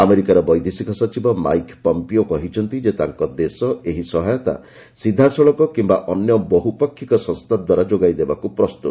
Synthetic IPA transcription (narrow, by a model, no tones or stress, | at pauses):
ameɾikaɾɔbɔjd̪isikɔsɔt͡ʃibɔma̰jkpɔmpiokɔɦit͡ʃʰɔnt̪id͡ʒet̪a̰ŋkɔd̪esɔeɦisɔɦajɔt̪a̰ | sid̪ʱːasɔɭɔkɔkimbaʔɔnjɔbɔɦupɔkʰːikɔsɔ̃nst̪ʰad̪waɾad͡ʒoɡajd̪ebakupɾɔst̪ut̪ɔ